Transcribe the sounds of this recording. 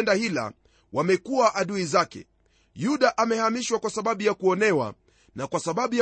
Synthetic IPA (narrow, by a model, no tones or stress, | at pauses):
ndahila̰ | wamɛkuaʔaɗuizakɛ̰ | juɗaʔamɛhamiʃwakwasaɓaɓujakuɔnɛwa̰ | nakwasaɓaɓuj